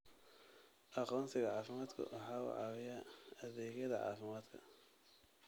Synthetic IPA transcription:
ʔɑqɔːnsɪɣɐʕɑːfɪmaːd̪kʰɐ̰wʔɑħɑːʊ̰ʕɑ̰wɪjaɐðɛːɣjɐðɐʕɑ̰ːfɪmaːd̪kʰɐ̰

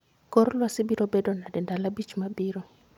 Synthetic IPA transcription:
kɔɾɔlwasibiɾɔbɛdɔnadɛndalabit͡ʃimabiːɾɔ

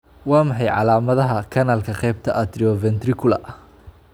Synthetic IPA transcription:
wɑːmɑħɑjʕɑ̰laːmɐðɐɦɐkʰɐnaːlkʰɐqɛjbt̪ʰɐʔɐd̪ɾiɔvɛnt̪rɪkʰʊlɐ̰ʔ

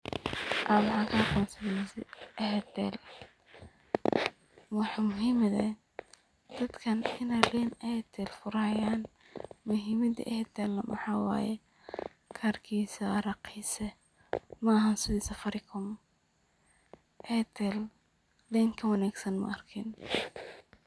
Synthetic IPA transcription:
ʔaːmɐħɑːkʰɐhɑqɔːnsɐðɛsɛʔɛɦɛd̪ɛ̰l | wɑħmʊɦimɐðɛ̰ | d̪̥ɐd̪kʰɐnɪnɛlɛːnɛt̪ʰɛlfʊɾɐjaːn | mʊɦimɐdḭʔɛhɛd̪ɛːlːɐmɑ̰ħɑːwɑ̰ːjɛ̰ | kʰaːrkʰiːsɐɾɐqiːsɛ | mɐɐɦɐnsɪðisɐfɐɾɪkʰʊm | ʔɛːt̪ʰɛl | lɛŋkʰɐwɑnaːɡsɐnmɐ̰ʔɐrkʰɪn

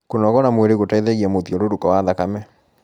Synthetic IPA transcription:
konɔɣɔɾamweɾeɣotaeðɛɣiamoðiɔɾoɾukɔwaðakamɛ

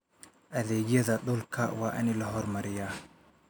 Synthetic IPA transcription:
ʔɐðɛːɣjɐðɐɗʊlkʰɐwɑːʔɪ̰nɪlɐɦɔrmɐɾɪjaː

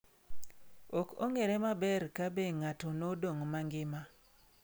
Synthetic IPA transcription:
oko̰ŋeɾɛmabɛrkabeŋatonodoŋmaŋɡɪma

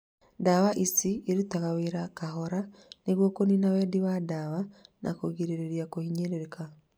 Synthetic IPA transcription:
dawaʔisieɾutaɣaweɾakaɦɔɾaneɣwɔkoninawɛdiwadawanʔa̰koɣiɾeɾeɾjakohiɲeɾeɾeka

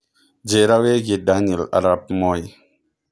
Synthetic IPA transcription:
d͡ʒeɾaweɡidanila̰ɾap̚moj

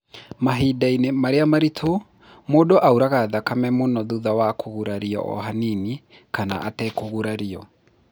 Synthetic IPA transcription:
maɦiːdainemaɾeamaɾitʰo | moːdoʔauɾaɣaðakamɛmonɔðuðawakʰoɣuɾaɾiɔ̰ʔɔ̰ɦanini | kana̰ʔatɛkoɣuɾaɾiɔ

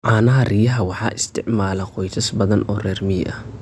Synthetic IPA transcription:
ʕɑːnɐɦɐrijɐɦɐwɑħɑːʔɪst̪ʰɪʕmaːlɛqɔjt̪ʰɐsbɐðɐnʔɔːrɛːrmɪ̰ʔɐh

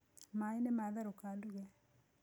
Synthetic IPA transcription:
mainɛmaðaɾokaːluɣɛ

